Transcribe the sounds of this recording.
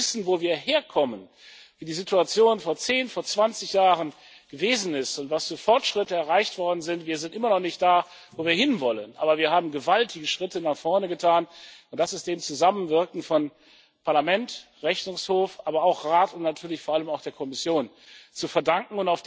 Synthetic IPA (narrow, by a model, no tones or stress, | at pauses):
ɪsn̩voːviːɐheːɐkʰɔmən | viːdiːzituat͡sjoːnfoːɐt͡seːnfoːɐt͡sv̥ant͡sɪçjaːʁən | ɡ̥əveːzn̩ɪstʊntv̥asfːɐfɔɐtʃʁ̥ɪtəɛɐʁaɪçtv̥ɔɐdn̩zɪntv̥iːɐzɪntʔɪmɐnɔχnɪçt̚d̥aː | voːviːɐhɪnvɔlənʔa̰ːbɐviːɐhaːbm̩ɡəvaltʰɪɡəʃʁ̥ɪtənaχfɔɐnəɡətʰaːnʊntd̥asɪstd̥eːmt͡suzamənvɪɐkŋ̩fɔn | pʰaɐlamɛntʁɛçnʊŋshoːfʔaːbɐaʊxʁaːtʊntnatʰyːɐlɪçfoːɐʔaləmaʊxd̥eːɐkʰɔmɪsjoːn | t͡sufɛɐdaŋkŋ̩ʊntaʊfd̥